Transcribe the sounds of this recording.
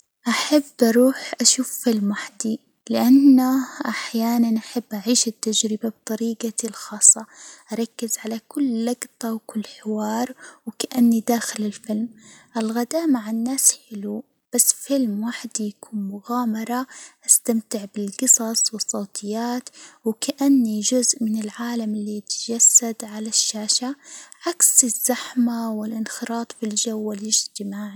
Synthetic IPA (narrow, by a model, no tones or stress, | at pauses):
ʔaħabːʔɑɾˤuːħʔaʃuːfːɪlmwaħd̪i | lɪʔanːaʔaħjaːnanʔaħabːʔaʕiːʃɪt̪ːad͡ʒɾɪbab̚t̪ˤɑɾiːɡalxɑːsˤːɑʔaɾˤɑkːɪzʕalakʊlːɑɡt̪ˤɑwkʊlːħɪwɑːɾˤwkaʔanːid̪aːxɪlɪlfɪlmʔɪlɣad̪aːʔmaʕɪnːaːsħɪlu | b̥asːfɪlmwaːħd̪ijakuːnmʊɣaːmɑɾˤɑʔast̪amt̪ɪʕbɪlɡɨsˤɑsˤwɨsˤːoːt̪ˤʰɨjːaːt̪wkaʔanːiʒʊzʔmɪnɪlʕaːlamɪlːijɪt̪ʒasːad̪ʕalaʃːaːʃaʕaksɪzːaħmawɪlʔɪnxɨɾˤɑːt̪ˤfilʒawːɪlɪd͡ʒt̪ɪmaːʕi